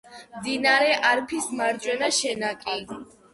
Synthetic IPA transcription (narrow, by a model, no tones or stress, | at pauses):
md̪inaɾɛʔaɾpʰismaɾt͡ʃʼwɛnaʃɛnakʼi